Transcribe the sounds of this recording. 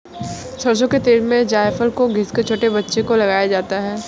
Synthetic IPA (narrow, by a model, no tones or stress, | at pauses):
sɐɾs̬õket̪eːlmẽd͡ʒaːjfəlkoɡʱɪsket͡ʃʰoːʈebɐtːʃekolɐɡaːjad͡ʒaːt̪aɦɛː